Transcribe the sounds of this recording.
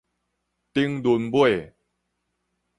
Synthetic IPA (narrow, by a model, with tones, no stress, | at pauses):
t̪i˦ŋdu˨˦nbwe˥˨